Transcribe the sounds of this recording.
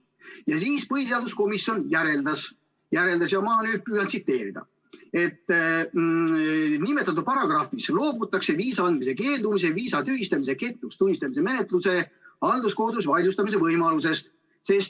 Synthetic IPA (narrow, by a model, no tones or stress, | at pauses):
jɑsiːspɤhiseɑːld̪usko̞misjo̞njæɾe̞ld̪ɑs | jæɾe̞ld̪ɑs̬jɑmɑnyːd̪̚pyːnɑt̪sit̪ːe̞ːɾid̪̥ɑ̰ | e̞t̪ː | nime̞t̪ːˑɑt̪̬ːˑud̥̪̚pɑɾɑɡ̥rɑːfislo̞ːbut̪ːˑɑkse̞viːsɑɑnd̪̥mise̞ke̞ːld̪umis̬eviːsɑt̪yːhist̪ɑmise̞ke̞t̪ːˑust̪unʲːist̪ɑmis̬e̞me̞ne̞t̪ˑluse̞ɑld̪usko̞hd̪usvɑlʲjust̪ɑmis̬e̞vɤjmɑluse̞st̪ | se̞st̪